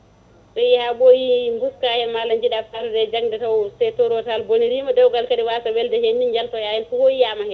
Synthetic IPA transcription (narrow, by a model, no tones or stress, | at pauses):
ɗɔjihaɓojimbuskahɛnmalaɲd͡ʒiɗafaɾudɛd͡ʒaŋdɛtawsɛtɔɾwɔtalboniɾimadɔwɡalkadiwasawɛldɛhenːid͡ʒaltɔjajɛnfuhojijamahɛ